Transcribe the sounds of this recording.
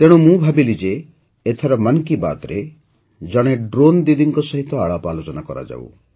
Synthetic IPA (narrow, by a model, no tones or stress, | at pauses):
t̪eɽ̃umũbʱabilid͡ʒeː | t̪ʰaɾɔmaŋkiba̰t̪ɾe | d͡ʒɔɽ̃eɖɾond̪id̪iŋkɔsɔɦit̪ɔaɭapalot͡ʃɔnakɔɾa̰d͡ʒa̰w̰